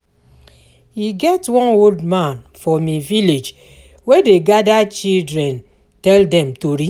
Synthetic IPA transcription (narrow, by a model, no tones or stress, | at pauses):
hiɡɛtwɔ̃noldmãnfɔmiviled͡ʒ | wedeɡadat͡ʃildɾɛ̃n | tɛldɛmtoɾi